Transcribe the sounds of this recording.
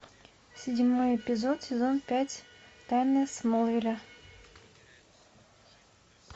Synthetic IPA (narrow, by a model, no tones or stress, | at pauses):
sʲɪdʲmo̞jɪpʲɪzot̪sʲɪzo̞npʲætʲt̪ajnəjsmolˠvʲɪlʲa